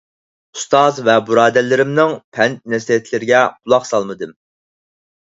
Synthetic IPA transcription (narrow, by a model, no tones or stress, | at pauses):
ust̪ɑzvɛbuɾɑːd̪ɛlːɪɾɪmnɪŋpʰɛnt̪̚nɛsiɛt̪ʰlɪɾɪɡʲɛqʰʊlˠɑqsɑlˠmɨd̪ɨm